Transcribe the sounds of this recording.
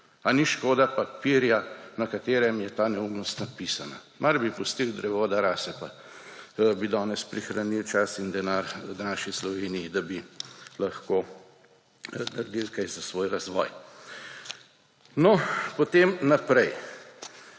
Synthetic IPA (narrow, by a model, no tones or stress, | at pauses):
aniʃkoːd̪apapiɾjanɐkat̪eːɾɛmjɛt̪aːnɛumnɔst̪napiːsana̰ | mʔaɾbipust̪ild̪ɾɛʋoːd̪aɾaːsɛpa | bid̪ɔːnɛspɾixɾanilt͡ʃasind̪ɛnaːɾnaːʃislɔʋeːnijid̪abilɐxkoː | naɾd̪ilkajzasʋoːjɾazʋɔ̰ːj | nɔpɔt̪emnapɾɛj